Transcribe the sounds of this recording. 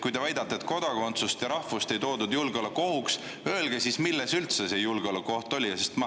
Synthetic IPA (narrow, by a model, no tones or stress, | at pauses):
kujt̪e̞væjd̪ɑt̪ːeːt̪ko̞d̪̥ɑko̞nt̪sust̪jɑɾɑhvust̪e̞jt̪o̞ːd̪ud̪julɡeo̞leko̞huks | ø̞elɡ̥esismilːesylt̪sese̞julɡ̥eo̞leko̞ht̪o̞lʲijɑsest̪mɑ